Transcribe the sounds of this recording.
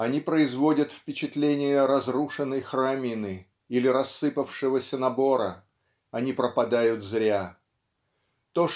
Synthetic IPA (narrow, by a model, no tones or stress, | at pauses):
ɐnʲipɾəɪzvo̞dʲət̪fpʲɪt͡ɕɪt̪lʲenʲɪjəɾɐzruʂɨnːəjxramʲɪnɨ | ilʲɪɾɐsːɨpəfʂɨvəsʲənɐbo̞ɾə̰ | ɐnʲipɾəpɐd̪ajʊt̪zɾʲa | t̪o